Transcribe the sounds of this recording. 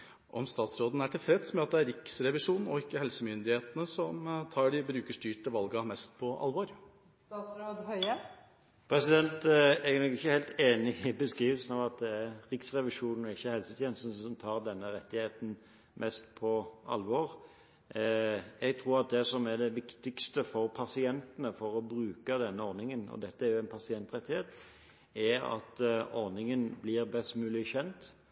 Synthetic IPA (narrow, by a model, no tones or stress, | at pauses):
ʔɔmst̪ɑːt̪sɾoːd̪n̩æʈʰɪlfɾɛt̪smɛɑt̪̚d̪ɛæɾɪksɾɛʋɪʂuːnn̩ɔɪkːəhɛlsəmʏnd̪ɪheːt̪ənəsɔmt̪ʰɑːɖɪbɾʉːkəʂʈyːʈəʋɑlɡɑmɛst̪pʰɔɑ̰lʋɔɾ | st̪ɑsɾoːd̪hœʏə | pʰɾɛsɪd̪ɛnt̪ɛɡænɔkɪçːəhæɪlt̪eːnɪɪbəskɾiːʋəlsnɑʋɑt̪̚d̪ɛæɾɾɪksɾɛʋɪʂuːnn̩ɔɪçːəhɛlsət̪ʰjɛnsn̩sɔmt̪ʰɑːʁd̪ɛnːəɾɛt̪ːɪheːt̪n̩ | mʔɛst̪pʰɔʔɑ̰lʋɔɾ | ɛɡt̪ʰɾuːɾɑt̪̚d̪ɛsɔmæʁd̪ɛʋɪkt̪ɪkst̪əfɔɾpʰɑsɪɛnt̪ənəfɔɾɔbɾʉːkəd̪ɛnːəɔɾnɪŋənɔ̰d̪ɛt̪ːəæɾjʊɛnpʰɑsɪɛnt̪ɾɛt̪ːɪheːt̪ | ɛɾɑ̰t̪ɔɾnɪŋənblɪʁbɛst̪mʉːlɪçɛnt̪